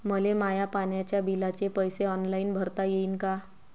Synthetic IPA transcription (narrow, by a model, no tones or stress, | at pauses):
məlemajapaɳjat͡ɕjabilat͡ɕepəjseɔnlainbʱəɾt̪ajeiːnka